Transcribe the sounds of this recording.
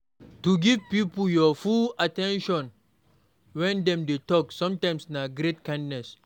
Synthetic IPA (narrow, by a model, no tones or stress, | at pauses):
tuɡivpipujɔfulatɛ̃nʃɔ̃n | wɛ̃ndɛ̃mdetɔksɔ̃mtãj̃msnaɡɾet̚kãndnɛs